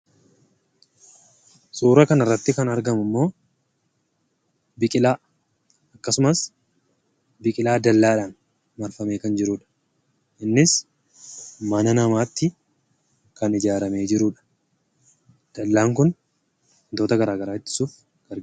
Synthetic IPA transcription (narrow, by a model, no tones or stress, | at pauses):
sʼuːɾɐkɐnɐrːɐt̪ːɪkɐnɐɾɡɐmʊmːo̞ː | bɪkʼɪlaː | ɐkːɐsʊmɐs | bɪkʼɪlaːd̪ɐlːaːᶑaːn | mɐɾfɐmeːkɐnd͡ʒɪɾuːᶑɐ̥ | ʔɪnːɪs | mɐnɐnɐmaːt̪ːɪ | kɐnɪd͡ʒaːɾɐme̞ːd͡ʒɪɾuːᶑɐ̥ | d̪̥ɐlːaːŋkʊn | t̪o̞ːt̪ɐɡɐɾaːɡɐɾaːɪt̪ːɪ̥suːf | ɡ̥ɐɾ